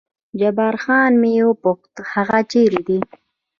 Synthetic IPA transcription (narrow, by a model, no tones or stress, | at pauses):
d͡ʒabɑːɾxɑːnmewopʊxt̪haɣat͡ʃeɾid̪i